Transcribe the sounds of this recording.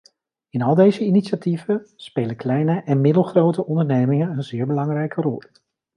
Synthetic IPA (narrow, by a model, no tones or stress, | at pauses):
ɪnɑlˠdejzəiniʃativənspejləklɛjnəʔɛnmɪdəlˠχrowtəʔɔndəɹnejmɪŋənənzɪːɹbəlɑŋrɛjkʰərɔ̰lˠ